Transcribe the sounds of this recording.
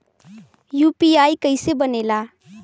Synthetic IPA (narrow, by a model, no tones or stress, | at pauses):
juːpiaːikəɪsebəneːlaː